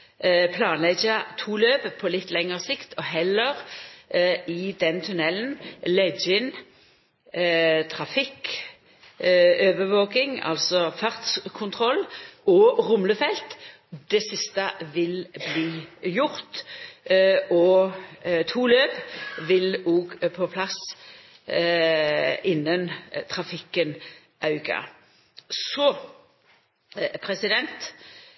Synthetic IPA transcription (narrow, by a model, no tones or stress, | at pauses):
pʰlɑːnlɛɡət̪ʰuːløːppʰɔlɪt̪ːlɛŋəʁsɪkt̪ʰɔɦɛlːəʁ | ɪd̪ɛnt̪ʰʉnɛlnlɛd͡ʒəɪn | t̪ʰɾɑfɪk | øːʋəʋoːkɪŋɑ̰lsɔfɑʁt̪skʰʊnt̪ʰʁɔlɔʁʊmləfɛlt̪ | d̪ɛsɪst̪əʋɪlbliːjʊɾt̪ | ɔ | t̪ʰuːløːpʋɪloːɡpʰɔpʰlɑs | ɪnːənt̪ʰʁɑfɪkːən | ʔɑʉɡɑ̰ | sɔ | pʰɾɛsɪd̪ɛnt̪